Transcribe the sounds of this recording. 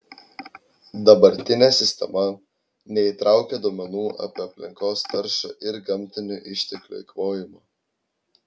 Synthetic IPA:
d̪ɐbɐɾʲt̪ʲɪnʲeːsʲɪsʲt̪ʲɛ̰mɐ | nʲɛit̪ɾʔɑˑʊkʲɛd̪oɔːmʲɛnuːʔɐ̰ːpʲiɐpʲlʲɪŋkoːst̪ɐɾʃɐ̰ːʔɪɾɡɐmʲt̪ʲɪnʲʊʔɪʃʲt̪ʲɛklʲʊ̰ɪkʋoːjɪmoː

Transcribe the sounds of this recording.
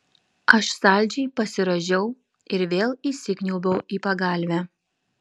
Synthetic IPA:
ɐʃsɑˑlʲˑd͡ʒʲɛɪpɐsʲɪɾɐʒʲɛʊ | ɪɾʋʲeːlˠiːsʲɪkʲnʲʊlˠbɐʊiːpɐɡɑˑlʲʋʲæː

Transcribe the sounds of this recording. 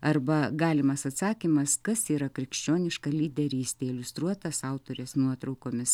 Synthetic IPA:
ɐrbɐɡɑːlʲɪmɐsɐt̪sɑːkʲimɐskɐsiːɾɐkɾʲɪkʃʲt͡ʃʲoːnʲɪʃkɐlʲiːd̪ʲɛɾʲiːsʲt̪ʲeːɪlʲʊst̪ɾuɔt̪ɐsɐʊt̪oːɾʲɪsnuɔt̪ɾɐʊkoːmʲɪs

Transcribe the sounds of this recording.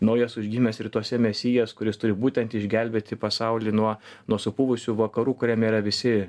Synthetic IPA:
nɐʊjɛsʊʒʲɡʲiːmʲɛsɪrt̪uɔsʲɛmʲɛsʲiːjɛskʊɾʲɪst̪ʊɾʲɪbuːt̪ʲɛnt̪ɪʒʲɡʲɛlʲbʲeːt̪ʲɪpɐsɐʊlʲiːnuɔnuɔsʊpʊʋʊsʲʊʋɐkɐɾuːkʊɾʲɛmʲiːɾɐʋʲɪsʲɪ

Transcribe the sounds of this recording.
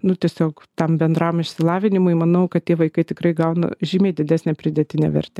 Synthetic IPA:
nʊt̪ʲiɛsʲoːk | t̪ɐmbʲɛnd̪ɾɐmɪʃʲsʲɪlˠɑːʋʲɪnʲɪmʊɪmɐnɐʊkɐt̪tʲiɛʋɐɪkɐɪt̪ʲɪkrɐɪɡɐʊnɐ̰ʒʲiːmʲeːɪd̪ʲɪd̪ʲæːsʲnʲɛːpʲɾʲɪd̪ʲɛt̪ʲɪnʲɛ̰ʋʲɛ̰ɾʲt̪ʲɛ

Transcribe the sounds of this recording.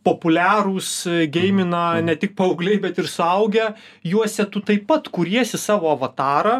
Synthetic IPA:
poːpʊlʲæːɾuːsɡʲɛɪmʲɪnɐnʲɛt̪ʲɪk̚pɐɐʊɡlʲɛɪbʲɛt̪ɪɾsʊɐʊɡʲɛ | juɔsʲɛt̪ʊt̪ɐɪppɐt̪kʊɾʲiɛsʲɪsɑːʋoːɐʋɐt̪ɑːɾɐ

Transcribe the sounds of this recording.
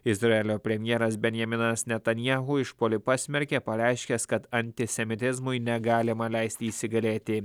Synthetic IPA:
ɪzɾɐɛlʲoːpʲɾʲɛmʲjɛːɾɐsbʲɛnʲjɐmʲɪnɐsnʲɛt̪ɐnʲjaːɣuːɪʃpoːlʲɪpɑːsʲmʲɛɾʲkʲepɐɾʲæˑɪʃʲkʲɛskɐt̪ɐnʲt̪ʲɪsʲɛmʲɪt̪ʲɪzmʊɪnʲɛɡɑːlʲɪmɐlʲæɪsʲt̪ʲɪːsʲɪɡɐlʲeːt̪ʲɪ

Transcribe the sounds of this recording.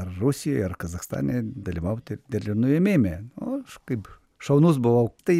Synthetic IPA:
ɐrrusʲɪjojɐɾkɐzɐxst̪ɑ̰ːnʲed̪ɐlʲiʋɐʊt̪ʲɪd̪ʲɛlʲɪnʊjɛmʲeːmʲenʊkɐɪp | ʃɐʊnus̬bʊʋɐʊt̪ɐɪ

